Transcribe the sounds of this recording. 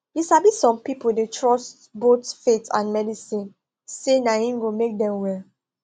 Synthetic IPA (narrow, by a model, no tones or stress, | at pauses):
jiʃabisɔ̃mpipoldetʰɹɔstbotfetʰã̰nmɛdisĩn | senaĩŋɡomek̚dɛ̃mwɛ